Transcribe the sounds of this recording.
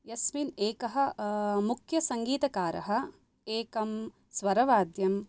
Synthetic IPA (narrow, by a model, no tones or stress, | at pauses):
jɐsmineːkɐɦɐ̆mukʰjɐsɐŋɡiːt̪ɐkaːɾɐ̰ɦɐ̆ | eːkɐm | sʋɐɾɐʋaːd̪jɐm